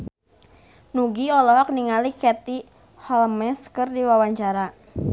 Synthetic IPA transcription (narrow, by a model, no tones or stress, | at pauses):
nuɡiɔlɔɦɔk̚niŋalikɛt̪i | hɔlmɛskərdiwawaɲt͡ʃaɾa